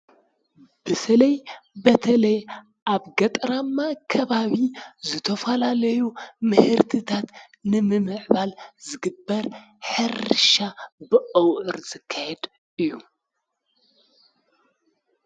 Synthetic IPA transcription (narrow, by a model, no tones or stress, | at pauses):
b̥ɨsɐlɐjbɐt̪ʰɐlɐj | ʔaβɡɐt̪ʼɾamːakʰɐβaβizɨt̪ʰɐfɐlalɐjumɨhɨɾt̪ʰɨt̪ʰat̪ | nɨmɨmɨʕβalzɨɡɨbːɐɾ | ħɨɾʃabɨʔʼɐwʔɨɾzɨkʰːajɛd̪ | ʔɨjːu